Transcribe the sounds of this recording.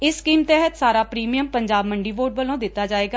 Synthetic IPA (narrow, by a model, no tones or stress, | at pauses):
ɪsːkiːmt̪ɛɦət̪saːɾaːpɾiːmijəmpəɲd͡ʒaːbməɳɖiːʋoːʈʋəlõːd̪ɪt̪ːaːd͡ʒaːeːɡaː